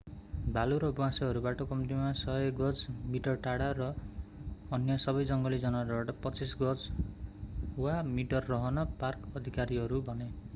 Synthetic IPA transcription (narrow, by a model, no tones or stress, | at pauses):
baluɾʌbwãsʌɦʌɾubaʈʌkʌmt̪imasʌekɡʌd͡zmiʈʌrʈaɽaɾʌː | njʌsʌbʌjd͡zʌŋɡʌlid͡zʌnaɾbaʈʌpʌt͡sisɡʌd͡z | wamiʈʌrːʌɦʌnʌparkʌd̪ʱikaɾiɦʌɾubʱʌne